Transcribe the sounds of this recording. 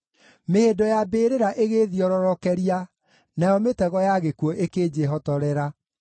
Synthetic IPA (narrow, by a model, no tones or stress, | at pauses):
mehedɔjabeːɾeɾaʔeɣeðiɔɾɔɾɔkɛɾia | najɔmetɛɣɔjaɣekwɔʔekeːd͡ʑeɦɔtɔɾɛɾa